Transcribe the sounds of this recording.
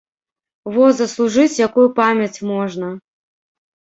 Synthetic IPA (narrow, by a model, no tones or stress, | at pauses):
vɔzɐslˠuʐɨt͡sʲjakujupamʲjɐt͡sʲmɔʐnɐ